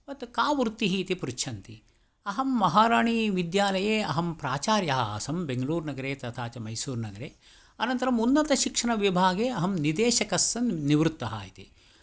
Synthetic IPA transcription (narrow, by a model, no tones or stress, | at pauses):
ʋɐt̪kaːʋuɾt̪ːiɦiːt̪ipuɾut͡ʃʰɐnt̪i | ɐɦɐmːɐɦaːɾaːɳiʋid̪jaːlɐjeːɐɦɐmpɾaːt͡ʃaːɾjɐɦɐa̰ːsɐmbeŋɡɐluːɾnɐɡɐɾeːt̪ɐt̪ʰaːt͡ʃɐmɐjsuːɾnɐɡɐɾeː | ɐnɐnt̪ɐɾɐmunːɐt̪ɐʃikʂɐɳɐʋibʱaːɡeːɐɦɐmnid̪eːʃɐkɐsːɐnniʋɾut̪ːɐɦa̰ːjit̪i